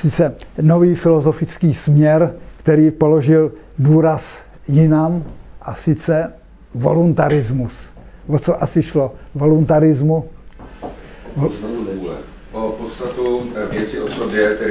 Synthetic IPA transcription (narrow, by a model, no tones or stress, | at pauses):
sɪt͡sɛnoviːfɪlo̞zofɪt͡skiːsmɲɛɾkt̪ɛɾiːpoloʒɪl | duːɾas | jɪnamʔasɪt͡sɛ | vo̰lunt̪aɾɪzmus | vot͡soʔasɪʃlovo̞lunt̪aɾɪzmu | novunɛuɛ̰ | opot̪st̪at̪uvjɛt͡sɪʔosobjɛkt̪ɛɾ